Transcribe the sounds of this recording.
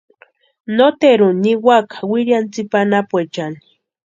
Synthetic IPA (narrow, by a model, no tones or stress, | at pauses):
not̪eɾuniwakʰḁwiɾjant͡sipanapwet͡ʃani̥